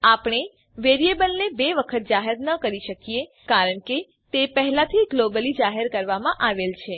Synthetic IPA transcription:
apɳ̃e | ʋeɾiebəlnebeʋəkʰət̪̚d͡ʒaɦəɾnəkəɾiʃəkije | kaɾəɳke | t̪epəɦɛlat̪ʰiɡlobəlid͡ʒaɦeɾkəɾʋamãʔaʋelt͡ʃʰe

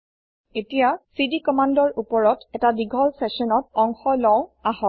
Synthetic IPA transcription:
etijasidikɔmandɔɹupɔɹɔtɛtadiɡʱɔlsɛsɔnɔtɔŋxɔlɔʊ̃aɦɔt

